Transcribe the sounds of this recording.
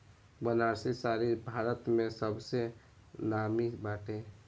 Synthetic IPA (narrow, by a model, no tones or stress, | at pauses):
bənaɾsesaɾibʱaɾət̪mẽsəbse | namibaʈe